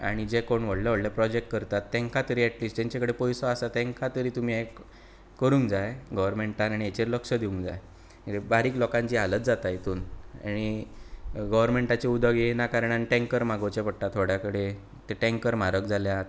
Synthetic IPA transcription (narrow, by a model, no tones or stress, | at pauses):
a̰ɽ̃id͡ʑekoɳʋəɽləʋəɽlapɾɔd͡ʑek̚ʈkəɾt̪at̪ːɛ̃ŋkʰat̪əɾiːɛʈliːsʈt̪ẽɲt͡ɕakəɽepɔjsɔasat̪ɛ̃ŋkʰat̪əɾiːt̪um̤iek | kəɾũːŋd͡zajɡəʋəɾmeɳʈanaɽ̃iet͡ɕeɾləkʂəd̪iũŋɡd͡za̰j | ebaɾiːklɔkãɲt͡ɕiɦalət̪̚d͡zat̪ajt̪uːnaɽ̃i | ɡəʋəɾmeɳʈat͡ɕeud̪əɡenakaɾɳanʈɛ̃ŋkəɾm̤aɡowt͡ɕepəʈʈːat̪ʰːoɽ̤jakəɽe | t̪eʈɛ̃ŋkəɾm̤aɾəkd͡zʱaljat̪